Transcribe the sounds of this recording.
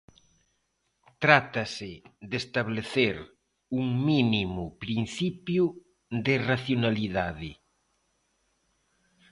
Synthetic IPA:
t̪ɾat̪asɪðest̪aβleθeɾ | uŋminimʊpɾin̟θipjʊ | ðɪraθjonaliðaðɪ

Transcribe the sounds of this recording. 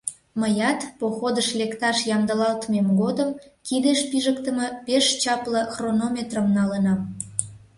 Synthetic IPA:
məjɑt̪poxod̪əʃlekt̪ɑʃjɑmd̪əlɑlt̪memɡod̪əmkid̪eʃpiʒəkt̪əməpeʃt͡ɕɑpləxronomʲet̪rəmnɑlənɑ

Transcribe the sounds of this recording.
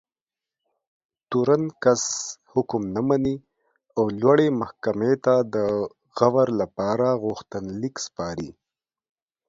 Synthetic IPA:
t̪uɾankashʊkmnamani | awlwaɽemahkamet̪ad̪ə | ɣawaɾlapɑɾaɣʊxt̪ənlikspɑɾḭ

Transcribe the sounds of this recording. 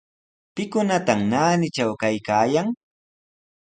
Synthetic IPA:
pɪkʊnat̪amnaːnɪt͡ʃawkajkaːjaŋ

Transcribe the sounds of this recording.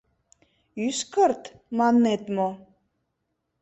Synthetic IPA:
yskəɾt̪ | mɑnːet̪mo

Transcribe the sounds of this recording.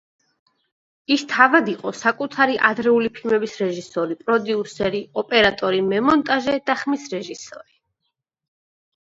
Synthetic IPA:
ist̪ʰavad̪iqʼɔsakʼut̪ʰaɾiʔad̪ɾɛulipʰilmɛbisɾɛʒisɔɾipʼɾɔd̪iusɛɾiɔpʼɛɾat̪ʼɔɾimɛmɔnt̪ʼaʒɛd̪̥aχmisɾɛʒisɔ̰ɾi

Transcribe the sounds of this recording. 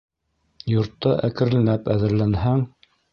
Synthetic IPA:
jŏɾt̪ːɤʔækɘ̆ɾɘ̆næpæðɘ̆ɾlænɦæŋ

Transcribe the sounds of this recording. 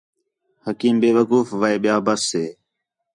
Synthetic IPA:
həkiːmbeːʋəkuːfʋaːeːɓɪjaːbəsːeː

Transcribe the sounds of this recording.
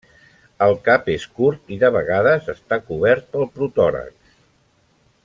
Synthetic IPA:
əlˠkapeskuɾt̪iðəβəɣaðəzəst̪akuβɛɾt̪̚pəlˠpɾut̪ɔɾə̰k

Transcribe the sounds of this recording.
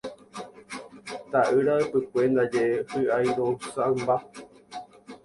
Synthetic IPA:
t̪aʔɨɾaɨpɨkʷe̞nd̪ad͡ʒeehɨajɾousamba

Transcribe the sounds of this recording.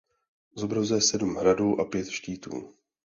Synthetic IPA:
zobɾazujɛsɛdumɦɾaduːʔapjɛt̪ʃciːt̪ṵː

